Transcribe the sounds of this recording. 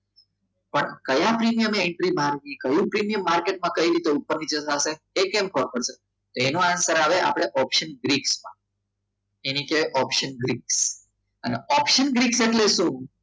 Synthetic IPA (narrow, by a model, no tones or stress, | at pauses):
pəɳkəjãpɾimijəmɛɳʈɾibʱaɾʋikəjũpɾimijəmːaɾkeʈ̚mãkəiɾit̪eupːəɾnit͡ʃətase | ekẽmkʰɔɾpəɽse | t̪oenũansəɾaʋeʔa̰pɽ̃eʔɔpʃənɡɾiksmã̰ | enikeʔɔpʃənɡɾiks | əneɔpʃənɡɾikseʈlesũ